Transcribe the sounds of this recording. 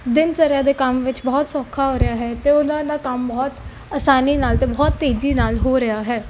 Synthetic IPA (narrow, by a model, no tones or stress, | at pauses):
d̪ɪntəɾjãːd̪eːkəmʋɪt͡ʃbɔːt̪sɔːkʰːaːɦoːɾɪjaːɦɛːt̪eːʊnãːd̪aːkəmbɔːt̪ | aːsaːniːnaːlt̪eːbɔːt̪ːeːd̪iːnaːlɦoːɾəjaːɦɛː